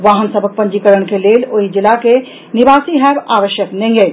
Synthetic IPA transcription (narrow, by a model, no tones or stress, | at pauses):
ʋaːɦənsəbʱək̚pɐ̃ɲd͡ʒikəɾəɽ̃keleːloɦid͡ʒɪlake | nɪʋaːsiɦɛːbaːʋəʃjəknɛ̃ɡe